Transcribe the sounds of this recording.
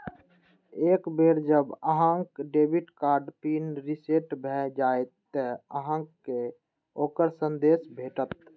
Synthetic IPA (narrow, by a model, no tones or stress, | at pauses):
ekbeːɾd͡ʒəbəɦə̃ŋkɖeːbʱiʈkaːɾɖpinɾiseʈbʱɛd͡ʒaːet̪ːəəɦə̃ŋkː | e | oːkəɾsənd̪eːsbʱeːʈət̪̚